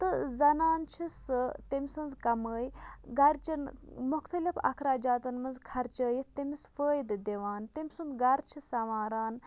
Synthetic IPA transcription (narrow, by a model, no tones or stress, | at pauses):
t̪ɨzɐnaːnt͡ʃʰisɨt̪imʲsɐnzkɐməːjɡɐɾt͡ʃɐnmʊxt̪ɐlifɐ̰kʰɾaːd͡ʒaːt̪ɐnmɐnzkʰɐɾt͡ʃəːjit̪ːimisfəːjd̪d̪eʋaːnt̪imʲsund̪ɡɐɾt͡ʃʰisɐʋaːɾaːn